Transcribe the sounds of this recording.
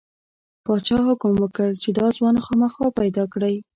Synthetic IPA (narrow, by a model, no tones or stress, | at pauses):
pɑt͡ʃɑhʊkʊmwəkəɽt͡ʃed̪ɑzwɑnxɑməxɑpajd̪ɑkɽaj